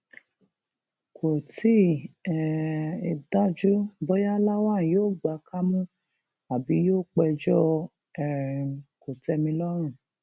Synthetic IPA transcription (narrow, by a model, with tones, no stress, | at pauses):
kʰo˨ti˦ɛ˨i˨da˨˦d͡ʒu˦bɔ˦ja˦la˦wã˦˨joː˦˨ɡ͡ba˨˧kʰa˦mũ˦ | a˨bi˨˦joː˦˨k͡pɛ˧d͡ʒɔ˦ | ɛ˨ɾko˨tɛ˧mĩ˧lɔ˦ɾ̃ũ˦˨